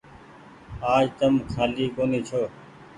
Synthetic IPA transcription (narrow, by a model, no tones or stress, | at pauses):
aːd͡ʒt̪əmkʰaːliːkoːniːt͡ʃʰoː